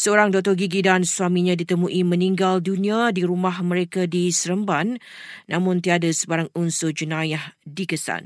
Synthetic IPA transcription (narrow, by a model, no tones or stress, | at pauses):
səoɾaŋdɔt̪ɔɡiɡidanswamĩɲãdit̪əmũʔimə̃niŋɡaldunĩadiɾumahmə̃ɾekadisəɾəmbanːʔãmʊ̃nt̪iadasəbaɾaŋunsʊd͡ʒənajahdikəsa̰n